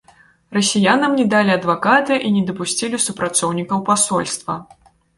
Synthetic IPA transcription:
rɐsʲijanɐmnʲɛd̪alʲiɐd̪vakat̪ɨʔinʲɛd̪ɐpusʲt͡sʲilʲisupɾat̪sɔwnʲikɐwpasɔlʲst̪vɐ

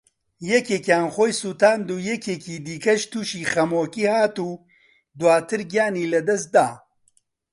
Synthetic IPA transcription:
jɛkeːkjaːnxoːjsuːt̪aːnd̪uːjɛkʰeːkiːd̪iːkɐʃt̪ʰuːʃiːxɐmoːkiːhaːt̪uː | d̪waːt̪ʰɨɾɡjaːniːlɐd̪ɐs̬t̪̚d̪aː

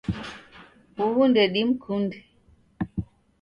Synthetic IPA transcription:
uwundɛɗimkʰundɛ

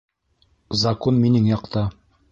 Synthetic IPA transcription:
zɐkonminɘŋjɑqt̪ɑ

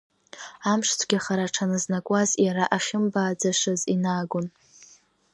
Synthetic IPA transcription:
amʂt͡sʷʰɡʲaχaɾaʈ͡ʂʰanɨznakʷʼazjaɾaʔaχʲɪmbaːd͡zaʂɨzinaːɡʊn

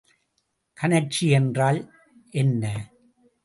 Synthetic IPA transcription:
kʰɐnɐt͡ʃiɛndraːl | ʔɛnːɐ

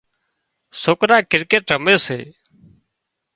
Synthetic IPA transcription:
soːkɾaːkɪɾkeːʈɾəmeːsḛː

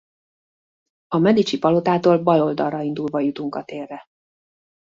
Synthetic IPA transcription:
ɒmɛd̪it͡ʃipɒlot̪aːt̪oːlbɒlo̞ld̪ɒrːɒind̪ulvɒjut̪uŋkɒt̪eːrːɛ

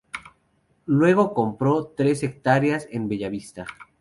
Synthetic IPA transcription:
lwe̞ɣ̞o̞ko̞mpɾo̞t̪ɾe̞se̞k̚t̪aɾjase̞mbeʝaβist̪a

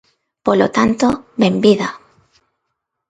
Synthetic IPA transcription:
polot̪ant̪oβembiða

